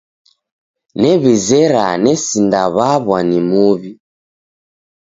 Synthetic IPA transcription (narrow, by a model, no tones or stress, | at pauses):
nɛβizɛɾanɛsindaβaβwanimuβi